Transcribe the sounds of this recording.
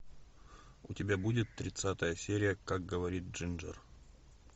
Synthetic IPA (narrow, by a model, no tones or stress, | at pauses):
ʊ̰tʲɪbʲabudʲɪt̪ːɾʲɪt̪sat̪əjəsʲeɾʲɪjəkaɡ̚ɡəvɐɾʲit̪̚ʐɨnʐə̰r